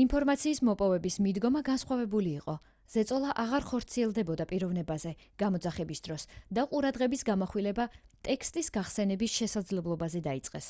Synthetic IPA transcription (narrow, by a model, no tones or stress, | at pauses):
inpʰɔɾmat̪sʰiːsmɔpʼɔvɛbismid̪ɡɔmaɡansχwavɛbuliːqʼɔ | z̥ɛt̪sʼɔlˠaʔaʁaɾχɔɾt̪sʰiɛlˠd̪ɛbɔd̪apʼiɾɔvnɛbazɛɡ̥amɔd̪zaχɛbisd̪ɾɔsd̪aqʼuɾad̪ʁɛbisɡamɔχwilɛbat̪ʼɛkʰst̪ʼisɡaχsɛnɛbisʃɛsad̪zlɛblˠɔbazɛd̪ait̪sʼqʼɛ̰s